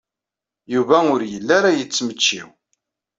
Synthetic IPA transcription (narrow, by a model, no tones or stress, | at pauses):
juvæʊɾjəlːaɾajət͡sːmət͡ʃːḭw